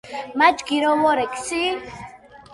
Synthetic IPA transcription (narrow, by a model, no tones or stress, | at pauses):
mat͡ʃkiɾowoɾeksi